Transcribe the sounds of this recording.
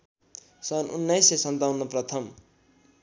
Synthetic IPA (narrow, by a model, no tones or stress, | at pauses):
sʌnunːajsesʌnt̪awnʌprʌt̪ʰʌm